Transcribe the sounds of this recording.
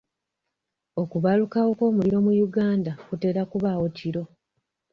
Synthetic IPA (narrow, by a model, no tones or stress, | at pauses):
o̞kuβalukawo̞ko̞ːmuliɾo̞mujuɡaːndakute̞ːɾakuβawo̞ciɾo̞